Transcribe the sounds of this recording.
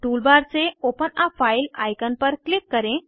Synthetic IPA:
ʈuːlbaɾt͡seopənafailajkənpəɾklikːəɾẽ

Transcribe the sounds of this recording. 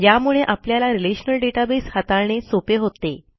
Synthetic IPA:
jjamuɭeʔapljalaɾileɕnəlɖeʈabeshat̪aɭɳesopeɦot̪e

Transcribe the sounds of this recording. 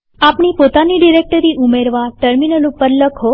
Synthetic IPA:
apɳ̃ipot̪aniɖiɾek̚ʈəɾiʔumeɾʋaʈəɾminəlupːəɾləkʰo

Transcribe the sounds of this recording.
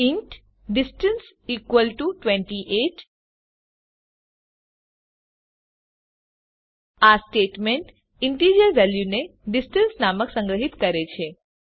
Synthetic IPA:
iɳʈ | ɖisʈəns | ikʋəlʈuʈʋẽɳʈiʔeʈ | asʈeʈmeɳʈ | iɳʈid͡ʒəɾʋɛljuneɖisʈənsnaməksə̃ŋɡɾəɦit̪kəɾet͡ʃʰe

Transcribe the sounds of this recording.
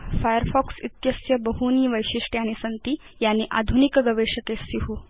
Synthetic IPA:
fajəɾfɔksit̪jəsjəbəɦuniːʋəjɕiʂʈjanisənt̪iː | janːiʔa̰d̪ʱunikɡəʋeɕəkesiɦu

